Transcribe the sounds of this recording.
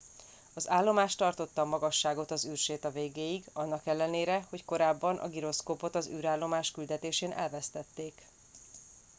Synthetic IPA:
ɒzaːlːo̞maːʃt̪ɒrt̪o̞t̪ːɒmːɒɡɒʃːaːɡo̞t̪ɒzyːrʃeːt̪ɒveːɡeːjiɡɒnːɒkɛlːɛneːɾɛho̞cko̞ɾaːbːɒnʔɒ̰ɡiɾo̞skoːpo̞t̪ɒzyːɾaːlːo̞maːʃkyld̪ɛt̪eːʃeːnʔɛ̰lvɛst̪ɛt̪ːeːk

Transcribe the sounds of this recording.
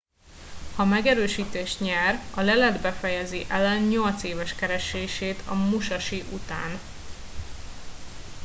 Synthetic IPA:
hɒmɛɡɛɾøːʃiːt̪eːʃt̪ɲɛrɒlɛlɛd̪bɛfɛjɛziʔɛlɛnɲo̞lt̪seːvɛʃkɛɾɛʃeːʃeːt̪ʰɒmuʃɒʃiʔut̪a̰ːn

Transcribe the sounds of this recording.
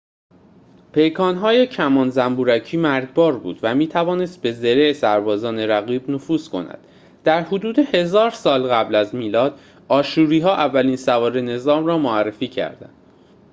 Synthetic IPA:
pʰe̞jkʰɒːnɦɒːjecʰæmɒːnzæmbuːɾæcʰiːmæɾɟbɒːɾbṵːd̪væmiːt̪ʰævɒːne̞st̪̚be̞zeɾesæɾbɒːzɒːneɾæɣiːbnofuːskʰo̞̰næ̰d̪̥ | d̪̥æɾhod̪uːd̪e̞he̞zɒːɾsɒːlɣæblæzmiːlɒːd̪ | ɒːʃuːɾiːɦɒːʔævːæliːnsævɒːɾene̞zɒːmrɒːmoærːe̞fiːcʰæ̰ɾd̪æ̰nd̪̥

